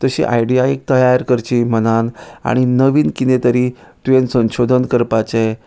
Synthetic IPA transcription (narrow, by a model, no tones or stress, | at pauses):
t̪əɕḭːʔa̰jɖiaik̚t̪əjaɾkəɾt͡ɕiːmənana̰ɽ̃inəʋiːnkinet̪əɾiːt̪uʋẽnsə̃w̃ɕod̪ʱənkəɾpat͡ɕe